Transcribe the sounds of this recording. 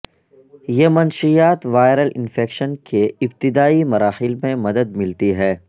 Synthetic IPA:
jemɐnʃijaːt̪ʋaːɪɾəlʔɪ̰̃nfeːkʃənkʰeɪbt̪ɪd̪aːimɐɾaːxɪlmẽmɐd̪əd̪̚mɪlt̪iɦɛː

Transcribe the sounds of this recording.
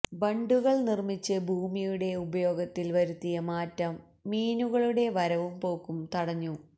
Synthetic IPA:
bɐɳɖuɣɐɭnirmit͡ɕːɨbʱuːmijuɽe̞ubɐjo̞ːɡɐt̪ːilʋɐɾut̪ːijɐmaːtːɐmː | iːnuɣɐɭuɽe̞ʋɐɾɐʋumpo̞ːkːumt̪ɐɽɐɲːu

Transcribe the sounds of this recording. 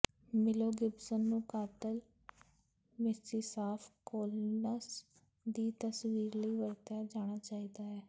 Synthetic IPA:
mɪloːɡɪbsənːũːkaːt̪əl | mɪsiːsaːfʰkoːlnəs | d̪iːt̪əsʋiːɾləiːʋəɾt̪aːd͡ʒaːɽ̃aːt͡ʃaːiːd̪aːɦɛː

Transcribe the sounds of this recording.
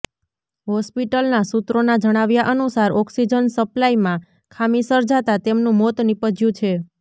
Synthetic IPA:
ɦɔspiʈəlnasut̪ɾonad͡ʒəɽ̃aʋjaʔənusaɾɔksid͡ʒənsəplaimã | kʰamisəɾd͡ʒat̪at̪emnũmot̪nipəd͡ʒjũt͡ʃʰe

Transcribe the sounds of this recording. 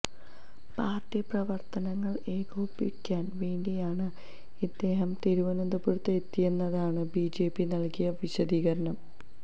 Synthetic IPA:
paːrtːiprɐʋɐrt̪ɐnɐŋːɐɭe̞ːɡuːpːḭkʲːaːnʋeːɳdijaːɳɨ | id̪ːe̞ːɦɐmt̪eɾuʋɐnend̪upuɻut̪ːɐet̪ːijenːɐðaːɳɨbiːd͡ʑe̞ːpːinɐɭkijɐʋiɕɐd̪iːɣɐɾɐnɐm

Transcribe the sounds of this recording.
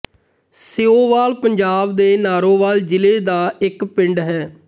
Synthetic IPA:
seːoːʋaːlpəɲd͡ʒaːbd̪eːnaːɾoːʋaːld͡ʒɪleːd̪aːɪkpɪɳɖɦɛː

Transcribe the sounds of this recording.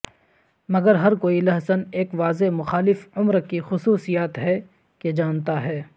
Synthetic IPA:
mɐɡəɾɦɐɾkoːilɐɦsəneːkʋaːzemʊxaːlɪfʊmɾkixʊsuːsijaːt̪ɦɛ | ked͡ʒaːnt̪aɦɛː

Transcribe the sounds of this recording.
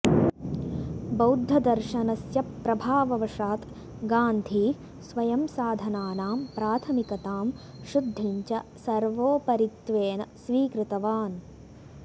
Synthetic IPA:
bɐwd̪ʱːɐd̪ɐɾʃɐnɐsjɐpːɾɐbʱaːʋɐʋɐʂaːt̪ | ɡaːnd̪ʱiː | sʋɐjɐmsaːd̪ʱɐnaːnaːmpɾaːt̪ʰɐmikɐt̪aːm | ʃud̪ʱːiɲt͡ʃɐsɐɾʋoːpɐɾit̪ʋeːnɐsʋiːkɾɪt̪ɐʋaːn

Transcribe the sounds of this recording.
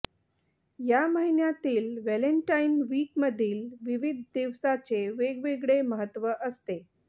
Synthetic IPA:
jaməɦinjat̪iːlʋæləɳʈainʋiːkməd̪ʱiːlʋiʋid̪ʱd̪iʋsat͡seʋeɡʋeɡɭeməɦət̪ʋəʔəst̪e

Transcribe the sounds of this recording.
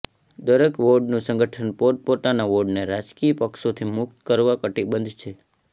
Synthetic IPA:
d̪əɾəkʋoɖnũsə̃ŋɡəʈʰənpoɾpot̪anaʋoɖneɾad͡ʒkiəpəkʃot̪ʰimʊk̚t̪kəɾʋakəʈibənd̪ʱt͡ʃʰe

